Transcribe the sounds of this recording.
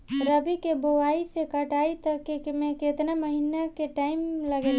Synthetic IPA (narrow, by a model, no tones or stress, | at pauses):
ɾəbikeboaːisekəʈaːit̪əkemẽket̪naməɦinakeʈaːɪmləɡeːl